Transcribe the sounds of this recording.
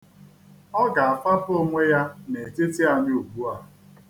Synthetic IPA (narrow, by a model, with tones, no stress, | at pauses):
ɔ˦ɡa˨a˨fa˦po˦ŋʷe˦ja˦ne˨te˦ti˦a˨ɲʊ˦u˨bu˦a˨